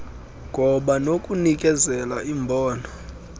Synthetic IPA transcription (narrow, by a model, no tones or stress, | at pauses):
ŋʱɔɓanokʼunik̬ʼɛzɛlaimbʱɔːnɔ